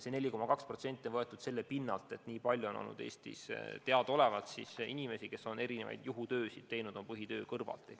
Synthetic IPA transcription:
sene̞lʲːiko̞mɑkɑkspro̞t̪se̞nʲt̪ːˑionvɤet̪ːˑud̪̥se̞lːepinːɑlt̪ˑe̞t̪niːpɑlʲjuo̞no̰lnṵd̪e̞ːst̪ḭst̪e̞ɑd̪̥o̞le̞vɑt̪sisinime̞sike̞so̞ne̞ɾinevɑ̰jd̪̥juɦut̪ø̞ːsid̪̥̚t̪e̞jnud̪̥o̞mpɤɦit̪ø̞ːkɤrvɑ̰lt̪ːˑi

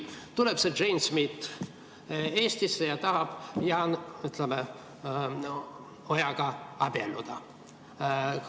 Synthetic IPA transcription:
t̪uleb̥se̥ʒ̥ejnsmit̪ | e̞ːst̪isːejɑt̪ɑhɑb̥jɑnyt̪leme | ojɑɡ̥ɑɑb̥elːud̪̥ɑ

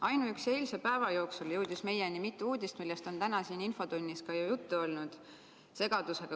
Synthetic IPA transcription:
ɑjnuykse̞ːlsepæevɑjo̞ːksuljɤ̞wd̪̥isme̞jenimit̪ːˑuuːd̪̥ʲist̪milːest̪o̞nt̪ænɑsiːninfo̞d̪unʲːiskɑjɑjut̪ːuo̞lnud̪̥ | se̞ɡ̥ɑd̪̥useɡ̥ɑ

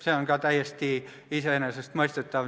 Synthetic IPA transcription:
seoŋɡ̥ɑˑt̪æijest̪iː | isenæsest̪moist̪et̪ːɑʋ

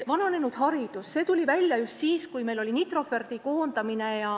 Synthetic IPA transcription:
vɑnɑne̞nud̪̥ɦɑɾidd̪̥usse̞ːt̪ulʲivælʲjɑjust̪siːskujme̞jlo̞lʲinit̪ro̞fe̞rd̪̥iko̞ːnd̪ɑmine̞jɑ

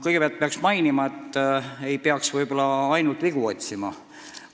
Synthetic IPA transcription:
kɤjɡeeɑlt̪̚peɑksmɑjnimɑe̞t̪ːe̞jpeɑksvɤjbolːɑɑjnult̪viɡ̥uo̞t̪ʲsimɑ

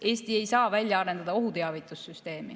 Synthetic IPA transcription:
ʔe̞ːst̪ie̞jsɑːvælʲjɑɑɾe̞nd̪̥ɑd̪ɑo̞ɦut̪e̞ɑvit̪ˑusːyst̪e̞ːmi

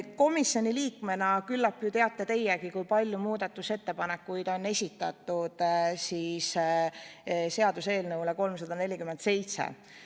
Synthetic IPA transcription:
ko̞misjo̞nʲiliːkme̞nɑkylːɑpːjut̪e̞ɑt̪ˑːe̞t̪e̞jːekikujpɑlʲjumuːd̪̥ɑt̪ːˑuse̞t̪ːe̞pɑnekːujd̪̥o̞nːe̞sʲit̪ːˑɑt̪ːˑud̪̥siːs | se̞ɑd̪use̞ːlnɤwle̞ko̞lmsɑd̪̥ɑne̞lʲikymend̪t̪se̞jt̪sḛ

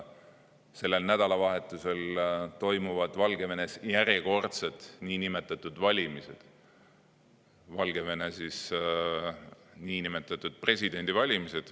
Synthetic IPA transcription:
se̞lːe̞lnæd̪̥ɑlɑvɑɦe̞t̪ːˑuse̞lt̪o̞jmuvɑd̪̥vɑlɡe̞ve̞ne̞sjæɾjeko̞rt̪set̪niːnime̞t̪ːˑɑt̪ːˑud̪̥vɑlʲimise̞d̪̥ | vɑlɡ̥e̞ve̞nesis | niːnime̞t̪ːˑɑt̪ːˑud̪̥̚pre̞sʲid̪̥e̞nd̪̥ivɑlʲimise̞d̪̥

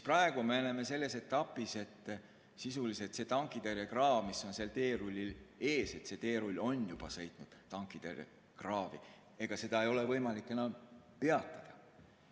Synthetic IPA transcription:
sisprɑe̞ɡ̥umeeneme̞se̞lːe̞se̞t̪ːˑɑpːˑise̞t̪ː | sisuliset̪se̞t̪ɑŋkːˑid̪eɾekrɑːvmisːo̞nselt̪e̞ːɾulʲːile̞ːse̞t̪se̞t̪eːɾulʲːo̞njub̥ɑsɤ̞jt̪ˑnud̪̥t̪ːɑŋkːˑid̪̥eɾḛ | krɑːvḭ | e̞ɡ̥ɑse̞d̪ɑejo̞le̞vɤjmɑlikːˑe̞nːɑm | pe̞ɑt̪ˑːɑd̪̥ɑ

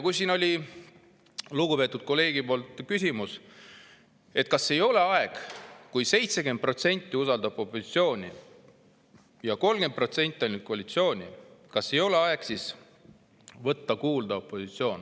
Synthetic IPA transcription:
kujsino̞lʲi | luɡupe̞ːt̪ːˑud̪̥̚ko̞lːe̞ːɡ̥ipo̞ːlt̪ˑkysʲimus | e̞t̪̚ːˑkɑsːe̞jo̞le̞ɑeɡ̥kujse̞jt̪seke̞nt̪̚pro̞t̪se̞nʲt̪ʲːiusɑld̪ɑbo̞pːˑosi̥t̪sio̞ːnʲi | jɑko̞lmɡ̥e̞nd̪̚pro̞t̪se̞nʲt̪ʲˑːolʲnyd̪̥̚koɑlʲit̪sio̞ːnʲikɑsːe̞jo̞le̞ɑe̞ɡ̥sis | vɤt̪ːɑkuːld̪ɑo̞pːˑosit̪sio̞ːn

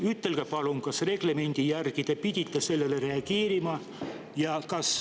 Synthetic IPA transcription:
yt̪ːe̞lɡ̥æpɑluŋkɑsre̞ɡ̥leme̞nʲd̪̥ijærɡit̪epid̪ʲit̪ːese̞lːelere̞ɑɡ̥eːɾimɑ | jɑkɑs

